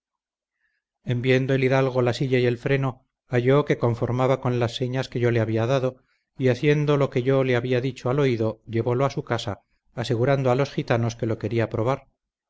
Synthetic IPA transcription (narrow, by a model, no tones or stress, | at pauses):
e̞mbje̞nd̪oe̞liðalɣ̞o̞lasiʝaje̞lfɾe̞no̞ | aʝo̞ke̞ko̞ɱfo̞ɾmaβako̞nlasːe̞ɲaske̞ʝo̞le̞aβiaðaðo̞ | iaθje̞nd̪o̞lo̞ke̞ʝo̞le̞aβiaðit͡ʃoalo̞iðo̞ʎe̞βo̞loasukasaː | se̞ɣuɾand̪oalo̞sxit̪ano̞ske̞lo̞ke̞ɾiapɾo̞β̞aɾ